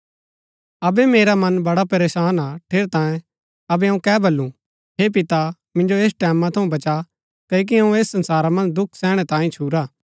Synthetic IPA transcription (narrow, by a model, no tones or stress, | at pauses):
ɐbɛmeːɾamɐnbɐɽapɐɾeːsaːnaʈʰeːɾt̪ãːjẽ | ɐbɛɐ̃ũkɛːbʱɐlːũ | ɦeːp̬ɪt̪a | mɪ̃nd͡ʒoeːsʈɛːmːãt̪ʰɐũbɐt͡ʃa | kɐk̬iɐũeːsːɐ̃nsaːɾamɐ̃nd̪ʊkʰsɛːɽ̃ɛt̪ãːĩt͡ʃʰuːɾaː